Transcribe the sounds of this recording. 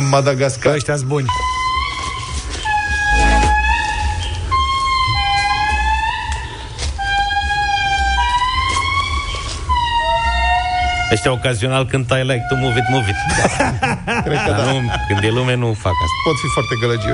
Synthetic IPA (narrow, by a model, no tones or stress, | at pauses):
ɨmad̪aɡaskaəʃt̪ʲasbunʲ | əʃt̪ʲaokazionalkɨnd̪t̪ajlajk̚t̪umuvit̪muvit̪ʲa | kɾeukɨnd̪jelumenufa̰k̪a̰po̞t̪fifoart̪eɡləd͡ʒi